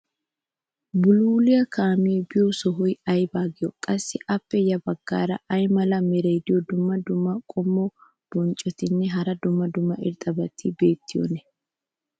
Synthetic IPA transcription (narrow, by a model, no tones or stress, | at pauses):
bʊluːlɪjɐkʰaːmɪjebɪjɔsɔɦɔjɐjbaːɡɪjɔkʼɐsːɪʔɐpːɛjɐbɐɡːa̰ːɾɐʔɐjmɐlɐmɛɾɛjd̪ɪjɔd̪ʊmːɐd̪ʊmːɐkʼɔmːɔ | b̥ɔnt͡ʃʼːɔt̪ɪnːɛɦɐɾɐd̪ʊmːɐd̪ʊmːɐʔɪ̰ɾt̪ʼɐbɐt̪ʰːɪbe̞ːt̪ːɪjɔ̰nɛ